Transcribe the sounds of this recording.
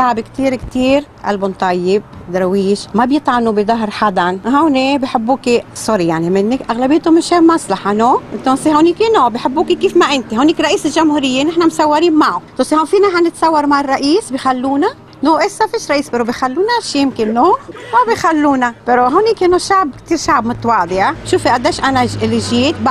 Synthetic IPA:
ʃaʕbkt̪iːɾkt̪iːɾ | ʔa̰lbʊnt̪ˤɑjːɪbd̪ɾˤɑwiːʒmabjɪt̪ˤʕanubɪd̪ˤɑɦɾħad̪anɦawnebiħɪbːuːkisˤʊɾijaʕnimɪnːɪkʔaɣlabijːt̪ʊmɪʃeːmasˤlɑħanoːʔɪt̪onshawniːkʔɪnobiħɪbːuːkikiːfmaʔɪnt̪ihawniːkɾˤɑʔiːsɪlʒʊmhuːɾɪjːenɪħnamsɑwːaɾiːnmaʕot̪osihawfiːnaħanɪt̪sɑwːɑɾˤmaʕɪrˤːɑʔiːsbixalːuːna | noːʔɪsːafiːʃɾˤɑʔiːsbɪɾobixalːuːnaʃijɪmkɪnːomabixalːuːnab̥ɪɾoɦawniːkʔɪnːoʃaʕbkt̪iːɾʃaʕbmʊt̪ˤwɑːʕd̪ˤɪʃuːfiʔad̪ːeːʃʔanaɪlːiʒiːt̪b

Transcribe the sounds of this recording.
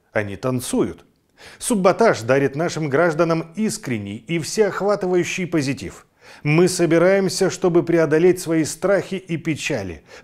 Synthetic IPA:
ɐnʲḭt̪ɐnt̪sujʊ̰t̪ | sʊbːɐt̪aʂd̪aɾʲɪt̪naʂɨmɡɾaʐd̪ənəmiskɾʲɪnʲːɪ̰jifsʲeɐxvat̪ɨvəjʉɕːɪjpəzʲɪtʲḭf | mɨsəbʲɪɾajɪmsʲəʂt̪o̞bɨpɾʲɪɐd̪ɐlʲetʲsvɐist̪ɾaxʲɪʔipʲɪt͡ɕalʲɪ̰

